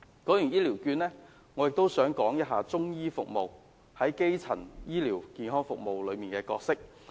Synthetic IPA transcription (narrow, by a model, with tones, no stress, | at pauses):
kɔː˨˥jyː˨˩njiː˥liː˨˩wkyː˧nlɛː˥ | ŋɔː˨˧jɪ˨k̚t̪o˥wsœː˨˥ŋkɔː˨˥ŋjɐ˥t̚ɦaː˧t͡sʊ˥ŋjiː˥fʊ˨k̚mo˨w | hɐ˨˥jke˥jt͡sʰɐ̰˨˩njiː˥liː˨˩wkiː˧nɦɔː˥ŋfʊ˨k̚mo˨wlɵ˨˧miː˨nkɛː˧kɔː˧k̚sɪ˥k̚